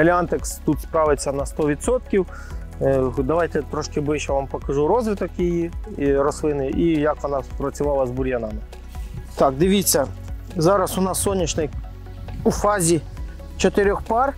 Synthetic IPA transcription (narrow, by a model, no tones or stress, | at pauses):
ɐlʲant̪ekst̪ut̪spɾɑʋɪt͡sʲːɐnɐst̪ɔʋʲid̪sɔt̪kʲiw | d̪ɐʋɑjt̪ɛt̪ɾɔʃkɪbɪʃɛʋɑmpɐkɐʒuɾɔzʋɪt̪ɔkjijiɾɔslˠɪnɪjʔijɐkʋɔnɑpɾɐt͡sʲʊʋɑlˠɐzbʊɾʲjɐnɑmɪ | t̪ɑk̚d̪ɪʋʲit͡sʲːɐ | zɑɾɐsʊnɑsːɔnʲːit͡ʃnɪj | ufɑzʲi | t͡ʃɔt̪ɪɾʲɔxpɑr